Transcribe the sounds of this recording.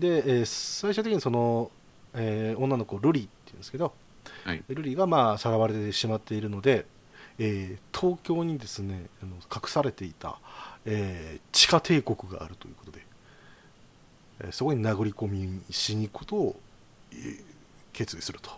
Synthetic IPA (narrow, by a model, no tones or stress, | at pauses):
d̪e̞eːsaiɕɨ̟t̪ekiɲ̟iso̞no̞ | eõnːano̞ko̞ɾɯ̟ɾʲiːt̪ːeiɯ̟nd̪eske̞d̪o̞ | ɾɯ̟ɾʲiːɡamaːsaɾaβaɾe̞t̪et̪eɕimat̪ːe̞iɾɯ̟no̞d̪e̞ː | t̪ʰo̞ːkʲo̞ːɲ̟id̪e̞sɨne̞ano̞kʰakɯ̟̥saɾe̞t̪e̞it̪a̰eːt͡ɕi̥kat̪ʰe̞ːko̞kɯ̟ɡa̰ːɾɯ̟t̪o̞jɯ̟ko̞t̪od̪e̞ | soɡo̞ɲ̟inaɡɯ̟ɾʲiko̞mʲiɕiɲ̟ikot̪o̞ː | ke̞ːt͡sɨisɨɾɯ̟̥t̪ʰo̥